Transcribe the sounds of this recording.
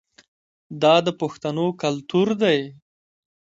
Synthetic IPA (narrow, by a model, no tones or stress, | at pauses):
d̪ɑd̪əpoxt̪anokalt̪uɾd̪aj